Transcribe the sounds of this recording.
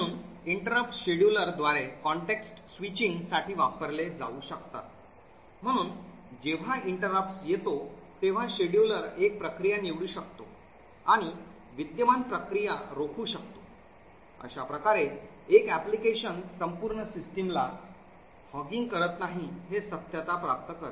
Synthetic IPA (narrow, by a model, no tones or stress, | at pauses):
ə̃uːn | iɳʈəɾəp̚ʈɕeɽjuləɾd̪ʋaɾekɔɳʈeksʈsʋit͡ɕiŋɡsaʈʰiːʋapəɾled͡za̰uːɕəkt̪a̰t̪ | m̤əɽ̃uːn | d͡ʑeʋ̤aiɳʈəɾəpsjet̪ot̪eʋ̤aɕeɽjuləɾek̚pɾəkɾijaniʋɽuːɕəkt̪o | aɽ̃i | ʋit̪jəmanpɾəkɾijaɾokʰuːɕək̚t̪o̥ | ə̰ɕapɾəkaɾe | ekæplikeɕənsəmpuːɾɳəsisʈimla̰ | hɔɡiŋɡkəɾət̪naɦiɦesət̪jət̪apɾap̚t̪əkəɾə